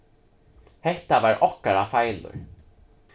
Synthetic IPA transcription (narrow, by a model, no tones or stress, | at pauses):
hɛht̪avaɾʔɔkaɾafajlʊ̰ɹ